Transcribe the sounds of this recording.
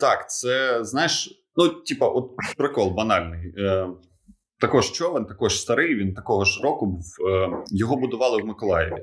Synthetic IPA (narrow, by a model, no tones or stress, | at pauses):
t̪ɑkt̪sɛznɑjɪʃ | nutʲipɐʔɔt̪̚pɾɪkɔlˠbɐnɑlʲnɪj | t̪ɐkɔʒt͡ʃɔʋɛnt̪ɐkɔʒst̪ɐɾɪjʋʲint̪ɐkɔɦɔʃɪɾɔkʊbuwəjɔɦɔbʊd̪ʊʋɑlˠɪwmɪkɔlˠɑjɪ̰ʋʲḭ